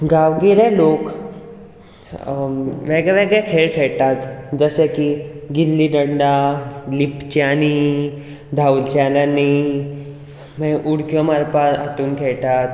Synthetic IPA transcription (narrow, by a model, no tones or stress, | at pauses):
ɡaʋɡelelok | ʋeɡɭɛʋeɡɭɛkʰeɭkʰeɭt̪at̪d͡zəsekiɡilliɖəɳɖalipt͡ɕani | d̪ʱault͡ɕalani | meʔuɽkjɔmaɾpaa̰t̪uːnkʰɛɭʈ̪at̪